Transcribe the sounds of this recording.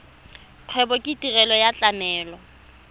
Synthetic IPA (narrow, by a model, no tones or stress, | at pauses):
q͡χʰwɛbɔkʼɪtʼirɛlɔjat͡ɬʼamɛːlɔ